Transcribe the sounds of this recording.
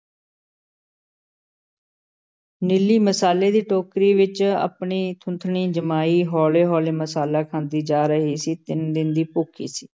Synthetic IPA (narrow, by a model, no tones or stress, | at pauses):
nɪlːiːməsaːleːd̪iːʈoːkɾiːʋɪt͡ʃə̰pɳiːt̪ʰʊ̃nt̪ʰɳiːd͡ʒəmaːiːɦɔːleːɦɔːleːməsaːlaːkʰãːnd̪iːd͡ʒaːɾəɦiːsiːt̪ɪnd̪ɪnd̪iːpʊkʰḭːsiː